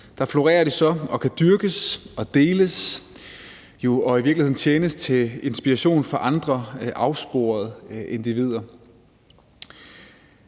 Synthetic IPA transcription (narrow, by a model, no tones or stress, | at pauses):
d̥ɑ̈flo̝ʁḛːɐɾ̥isɒ̽ɒ̽kʰæd̥yɐɡ̥əsɒ̽d̥e̝ːləs | jo̝ɒ̽iʋiɐ̥lihḛn̩t͡ɕʰeːnəst͡sʰe̝le̝nsb̥iʁɑɕo̝̰ːnfɒ̽ʔɑ̈nd̥ʁɐʔɑ̈ʊsb̥o̝̰ːɐð̞ˠʔe̝nd̥iʋið̞̰ˠɐ